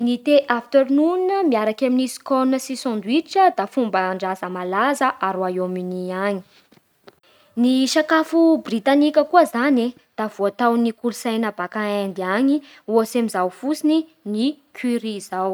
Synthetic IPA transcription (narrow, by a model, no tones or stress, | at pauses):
nit̪eʔaft̪eɾnunəmiaɾakaminisi̥konunəsisɔ̃nd̪uiʈ͡ʂəd̪afumbəɳɖ͡ʐazəmalazəʔaɾuaominiaɲi | niʃakafubrit̪anikʲəkuəzani | d̪̥av̥oat̪awnikulusajnəbakaend̪iaɲi | uosemizawfusininikʰiɾizaw